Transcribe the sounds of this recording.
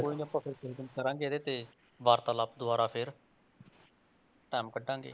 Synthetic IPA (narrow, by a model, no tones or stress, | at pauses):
koːiːnəpːãːpʰɪɾsɪɾɡənkəɾãːŋɡeːd̪eːt̪eː | ʋaːɾt̪aːlapd̪ʊaːɾaːpʰɪɾ | ʈɛːmkəɖːãːŋɡḛː